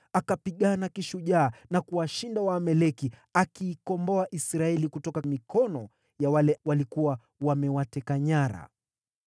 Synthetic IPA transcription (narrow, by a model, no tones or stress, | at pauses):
akapiɠanakiʃuʄaːnakuwaʃindawaːmɛlɛkiakiːkɔmbɔaʔisɾaɛlikutɔkamikʰɔnɔ | jawalɛwalikuwa | wamɛwatɛkaɲaɾa̰